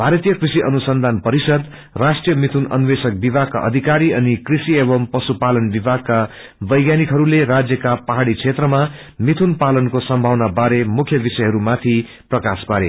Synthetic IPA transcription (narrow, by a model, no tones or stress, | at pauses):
bʱaɾʌt̪ijʌkrisiʔʌnusʌnd̪ʱanpʌɾisʌd̪ | rasʈrijʌmit̪ʰunʌ̰nwesʌk̚bibʱaɡ̚ka̰ʔʌ̰d̪ʱikaɾiʌnikrisiebʌmpʌsupalʌnbibʱaɡ̚ka | bʌjɡjanikɦʌɾuleɾad͡zjʌkapʌɦaɽit͡sʰet̪rʌma | mit̪ʰunpalʌnkosʌmbʱawnabaɾemukʰjʌbisʌjɦʌɾumat̪ʰi | prʌkaspaɾe